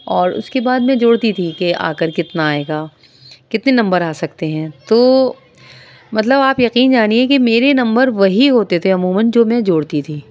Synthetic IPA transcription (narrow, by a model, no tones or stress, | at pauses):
ɔːɾʊ̰skebaːd̪mɛ̃d͡ʒoːɽt̪it̪ʰikeʔa̰ːkəɾkɪt̪naːeːɡaː | kɪt̪nenɐ̃mbəɾaːsɐkt̪eɦɛ̃ːt̪oː | mɐt̪ləbaːpjɐqiːnd͡ʒaːniekemeːɾenɐ̃mbəɾʋɐɦiɦoːt̪et̪ʰeʊmuːmənd͡ʒoːmɛ̃d͡ʒoːɽt̪it̪ʰiː